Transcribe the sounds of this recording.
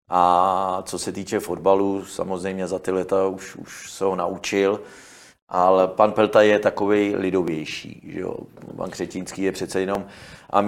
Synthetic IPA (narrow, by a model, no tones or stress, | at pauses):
ʔat͡so̞sɛt̪iːt͡ʃɛfodbalusa̰mozrɛjmɲɛzat̪ɪlɛt̪auʃṵʃsɛɦonaʔut͡ʃɪl | ʔalɛpanpɛlt̪ajɛt̪ako̞vɛjlɪdo̞vjɛjʃḭːʒɛ̰o̰pa̰nkr̥ɛcɪnskiːjɛpr̝̥ɛt̪t͡sɛjɛno̞mʔa̰m